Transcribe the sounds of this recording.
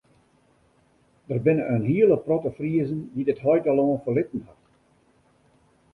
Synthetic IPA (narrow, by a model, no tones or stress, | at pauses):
d̥ərbɪnəʔənɦiələprɔtəfriəzəndidɪtɦɔjtaloːnfəlɪtən̩hat